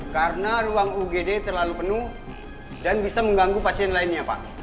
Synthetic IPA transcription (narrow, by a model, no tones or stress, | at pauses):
kaɾənaruaŋuɡedet̪ərlalupənuh | danbisaməŋɡaŋɡupasiɛnlaɪnɲapa̰ʔ